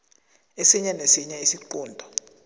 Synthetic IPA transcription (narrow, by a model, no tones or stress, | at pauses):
esiɲanesiɲaisiǃɔːndʱɔ